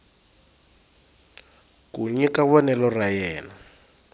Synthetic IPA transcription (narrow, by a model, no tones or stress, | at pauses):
kuɲɛkaβɔnɛlɔrajɛːna